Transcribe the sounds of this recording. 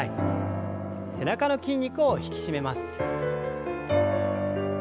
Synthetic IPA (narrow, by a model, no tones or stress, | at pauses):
i | se̞nakano̞kʲĩɲ̟ʲːikɯoçi̥kʲi̥ɕime̞masɨ̥